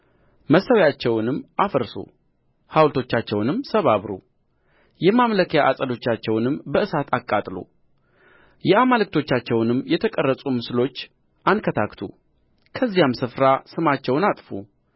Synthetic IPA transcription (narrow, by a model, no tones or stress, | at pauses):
məsːəwjat͡ʃːɛwnɨmːʔafəɾso̰ | hawlt̪ʰo̞t͡ʃːat͡ʃːɛwnɨmːsəβaβɾṵ | jɛmamləkʰəjaʔasʼəd̪o̞t͡ʃːat͡ʃːɛwnɨmːbəʔɨsat̪ʰakʼːat̪ʼlṵ | jɛamalɨk̚t̪ʰo̞t͡ʃːat͡ʃːɛwnɨmːjɛt̪ʰəkʼərːəsʼumɨslo̞t͡ʃː | ʔankʰət̪ʰakt̪ʰṵ | kʰəzːijamsɨfɾasɨmat͡ʃːɛwnat̪ʼfṵ